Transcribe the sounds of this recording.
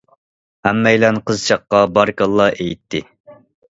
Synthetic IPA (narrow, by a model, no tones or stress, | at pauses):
hæmːɛjlɛnqʰəzt͡ʃʰɑqːɑbɑɾkɑlˠːɑʔejt̪ʰːɪ